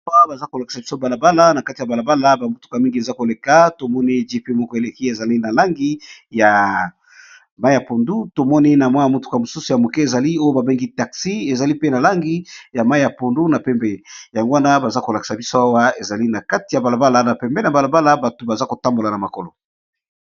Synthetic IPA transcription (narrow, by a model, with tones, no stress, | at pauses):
a˦ba˨za˦ko˨la˨ki̥˨sa˨bi˦so˦ba˨la˨ba˦la˦na˨ka˦ti˨ja˨ba˨la˨ba˦la˦ba˨mo˦tu̥˦ka˨mi˦ŋɡi˨e˨za˦ko˨le˨ka˦to˨mɔ˦ni˦ʒi˦pe˦mɔ˦kɔ˦e˨le˨ki˦e˨za˨li˦na˨la˦ŋɡi˦ja˨ | ma˦i˦ja˨po˨ndu˦to˨mɔ˦ni˦na˨mwa˦ja˨mo˦tu̥˦ka˨mo˨su˦su˨ja˨mo˨kɛ˦e˨za˨li˦o˦jo˦ba˨be˦ŋɡi˦ta˨ksi˦e˨za˨li˦pe˦na˨la˦ŋɡi˦ja˨ma˦i˦ja˨po˨ndu˦na˨pɛ˨mbɛ˦ja˨ŋɡo˦wa˦na˦ba˨za˦ko˨la˨ki̥˨sa˨bi˦so˦a˦wa˦e˨za˨li˦na˨ka˦ti˨ja˨ba˨la˨ba˦la˨˦na˨pɛ˨mbɛ˦na˨ba˨la˨ba˦la˦ba˨to˨ba˨za˦ko˨ta˦mbo˨la˨na˨ma˨ko˨lo̰˨